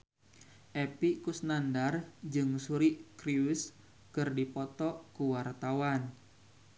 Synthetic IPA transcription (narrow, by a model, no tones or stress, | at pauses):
ʔɛpikusnandard͡ʒɨŋsuɾikɾius | kɨrdipɔt̪ɔkuwart̪awan